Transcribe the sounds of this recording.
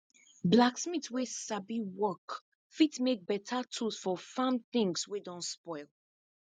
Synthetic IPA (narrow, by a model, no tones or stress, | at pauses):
blaksmitwesabiwɔk | fitmek̚bɛtʰatʰusfɔfãmθɪ̃ŋswedɔ̃nspɔɪlˠ